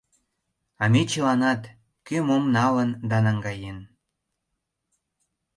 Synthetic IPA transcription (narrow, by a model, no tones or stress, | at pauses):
ɑmet͡ɕəlɑnɑt̪ | kømomnɑlənd̪ɑnɑŋɡɑjen